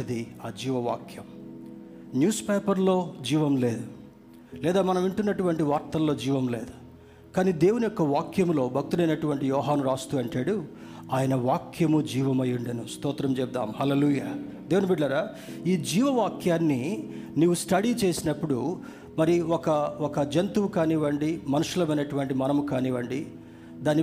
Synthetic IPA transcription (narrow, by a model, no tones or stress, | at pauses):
ɐd̪iaːd͡ʒiːʋɐʋa̰ːkjɐm | njuːspeːpɐɾlo̞ːd͡ʒiːʋɐmle̞ːd̪u | lɛːd̪aːmɐnɐmiɳʈunːɐʈuʋɐɳʈiʋaːɾt̪ɐlːo̞ːd͡ʒiːʋɐmle̞̰ːd̪u̥ | kaːniːd̪e̞ːwunijɔkːɐʋaːkjɐmlo̞ːbʱɐk̚t̪ulɐjnɐʈuʋɐɳʈijɔːɦaːnuɾaːst̪uːɐɳʈaːɽu | aːjɐnɐʋaːkʰjɐmud͡ʒiːʋɐmɐjːuɳɖɐnust̪ɔːt̪ɾɐmt͡ʃɛb̚d̪a̰ːmhɐleːluːjaː | d̪eːwunibiɖlɐɾaː | iːd͡ʒiːʋɐʋaːkjaːnːiniːʋusʈɐɽiːt͡ʃe̞ːsinɐpːuɽu | mɐɾiɔkɐɔkɐd͡ʒɐnt̪uʋukaːniːʋɐɳɖimɐnuʂulɐmɐjnɐʈuʋɐɳʈimɐnɐmukaːniːʋɐɳɖi | d̪aːni